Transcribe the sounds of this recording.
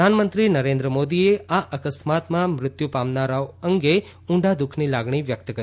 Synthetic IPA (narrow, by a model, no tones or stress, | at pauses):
anmənt̪ɾinəɾẽnd̪ɾəmod̪ieaʔəkəsmat̪mãmɾɪt̪jupamnaɾaoəŋɡe | ũɳɖad̪ʊkʰnilaɡɳ̃iʋjək̚t̪kə